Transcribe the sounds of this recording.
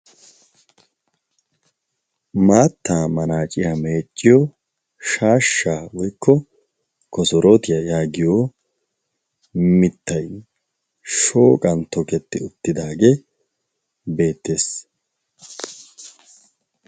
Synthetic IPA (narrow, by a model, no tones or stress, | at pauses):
maːt̪ːaːmɐnaːt͡ʃʼɪjame̞ːt͡ʃʼːɪjɔ | ʃaːʃːaːwɔjkʰːɔ | kɔsɔɾot̪ɪjɐjaːɡɪjo | mɪt̪ːɐj | ʃo̞ːkʼɐnt̪ɔkɛt̪ːɪʊt̪ːɪd̪aːɡe | be̞ːt̪ːe̞ːs